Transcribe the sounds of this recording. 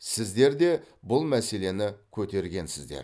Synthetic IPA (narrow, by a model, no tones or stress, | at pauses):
sɪzd̪e̞ɾd̪e̞bʊlˠmæse̞le̞nɪkʲʰɵt̪e̞ɾɡʲe̞nsɪzd̪ḛ